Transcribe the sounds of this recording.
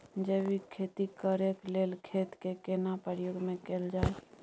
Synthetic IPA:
d͡ʒeːbikʰeːt̪ikəɾekleːlkʰeːt̪kekeːnapəɾjoːɡmẽkeːld͡ʒaːe

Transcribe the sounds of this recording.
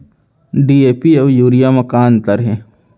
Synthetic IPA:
ɖieːpieʋjuːɾijamɐkaːnt̪ɐɾɦɛ̃ː

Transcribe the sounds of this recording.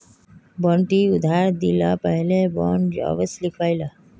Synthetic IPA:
bɔ̃ːɳʈiʊd̪ʱaːɾd̪ila̰ːpəɦlebɔːɳd͡ʒa̰ːʋəslɪkʰʋaːilaː

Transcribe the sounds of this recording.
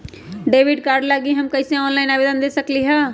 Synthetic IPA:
ɖeːʋiɖkaːɾɖlaɡiɦɐmkɐɪseɔːnlaɪnaːbed̪ənd̪esəkliɦɛ

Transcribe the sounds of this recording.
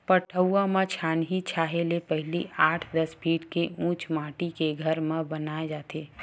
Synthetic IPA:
pəʈʰəwamãt͡ʃʰaːnɦit͡ʃʰaːɦelepəɦɪliʔaːʈʰd̪əsbʰʱiːʈkeũːt͡ʃmaːʈikeɡʱəɾmẽbənaːed͡ʒaːt̪eː

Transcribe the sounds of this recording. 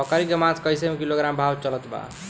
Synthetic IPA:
ɔkaɾikemãt̪ʰkəjsemekiloɡɾambʱabt͡ʃələt̪ba̰

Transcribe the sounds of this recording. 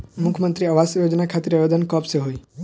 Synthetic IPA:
mʊkʰmənt̪ɾiəʋasjod͡ʒnakʰat̪ɪɾəbed̪ʱənkɔpseɦoi

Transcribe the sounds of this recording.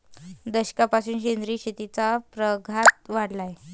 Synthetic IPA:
d̪əɕkapasuːnɕend̪ɾiːɕit̪it͡sapɾəɡʱat̪ʋaɽlaje

